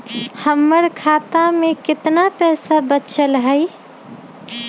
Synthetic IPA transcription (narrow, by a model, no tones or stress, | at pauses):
həmːəɾkʰat̪amekɪt̪napɛɦsabət͡ʃʰəlɦəɪ